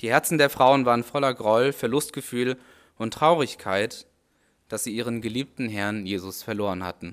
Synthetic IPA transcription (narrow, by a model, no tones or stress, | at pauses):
d̥iːhɛɐt͡sn̩deːɐfʁ̥aʊənvaːʁənfɔlɐɡʁɔlfɛɐlʊstɡ̥əfyːl | ʊntʁ̥aʊʁɪçkʰaɪt | d̥asz̥iːʔiːʁənɡəliːp̚tn̩ɦɛɐnjeːzʊsfɛɐloːʁ̞ənha̰tn̩